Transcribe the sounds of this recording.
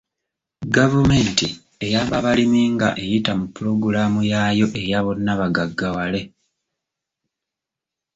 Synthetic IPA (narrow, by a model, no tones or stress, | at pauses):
ɡavume̞ːnti | e̞jaβaβalimiːŋɡa̰ʔe̞jitamupːuɾo̞ɡuɾaːmujajo̞ʔe̞jaβo̞nːaβaɡaɡːawale̞